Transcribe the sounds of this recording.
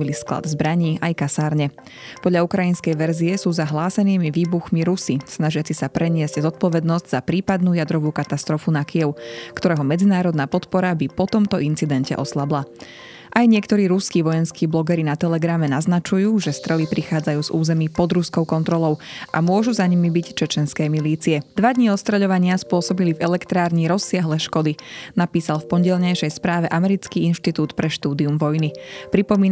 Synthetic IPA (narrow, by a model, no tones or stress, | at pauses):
iliskla̰d̪zbɾaɲiːʔajkasaːɾɲɛ | pɔd̪lʎaukɾajinskɛjʋɛɾziɛsuːzaɦlaːsɛniːmiʋiːbuxmiɾusisnaʒɪat͡sisapɾɛɲɪɛzɟzɔt̪̚pɔʋɛd̪nɔzɟz̥apɾiːpad̪nuːjad̪ɾɔʋuːkat̪ast̪ɾɔfunakijɛʊkt̪ɔɾɛːɦɔmɛd͡zinaːɾɔd̪naːpɔt̪pɔɾabipɔt̪ɔmt̪ɔint͡sid̪ɛncɛ̰ʔɔslabla | ʔajɲɪɛkt̪ɔɾiːɾuskiːʋɔjɛnskiːblɔɡɛɾinat̪ɛlɛɡɾamɛnaznat͡ʃujuːʒɛst̪ɾɛlipɾixaːd͡zajuːzuːzɛmiːpɔd̪ɾuskɔʊkɔnt̪ɾɔlɔʊʔa̰mʊɔʒuzaɲimibict͡ʃɛt͡ʃɛnskɛːmiliːt͡siɛd̪ʋad̪ɲiɔtst̪ɾɛʎɔʋaɲɪaspʊɔsɔbilivɛlɛkt̪ɾaːɾɲiɾɔsːɪaɦlɛʃkɔd̪inapiːsalfpɔɲɟɛlɲɛjʃɛjspɾaːʋɛʔamɛɾit͡skiːinʃt̪it̪uːt̪pɾɛʃt̪uːd̪iumʋɔjnipɾipɔmiːn